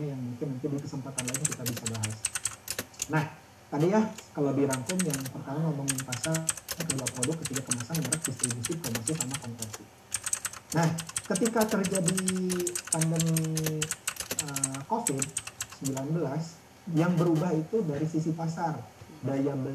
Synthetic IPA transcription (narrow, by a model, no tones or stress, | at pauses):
ɲajaŋmuŋkɪnmuŋkɪndikəsəmpat̪anlaɪnkit̪abisabaɦas | nah | t̪adijakalabiɾaŋkʊmjaŋpərt̪aɾamaməŋimpasarakəduapɾodʊkːət̪ikakəmasaməməɾak̚dist̪ɾibusikomasisamakɔnpasi | nahkət̪ikat̪ərd͡ʒadipandəmi | əkofɪd̚səmbilanbəlas | jaŋbəɾubahit̪udaɾisisipasardajaŋbə